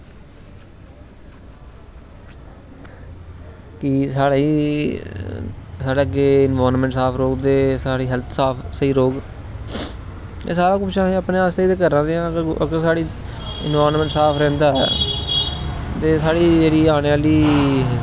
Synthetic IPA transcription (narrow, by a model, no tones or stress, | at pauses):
kɪsaːɽeː | saːɽeːəɡeːɪnʋaːɾnmɛ̃ːɳʈsaːpʰɾoːɡd̪eːsaːɽiːɦɛlt̪ʰsaːpʰsəiːɾoːɡ | ḛːsaːɾãːkʊbʃãːẽːəpnẽːaːsiːd̪eːkəɾãːd̪eːãːəɡəɾə̰ɡəɾsaːɽiː | ɪ̰nʋaːɾnmɛ̃ːɳʈsaːpʰɾɛ̃ːnd̪aːɛ̰ː | t̪eːsaːɽiːd͡ʒeːɽiːaːɽ̃eːaːliː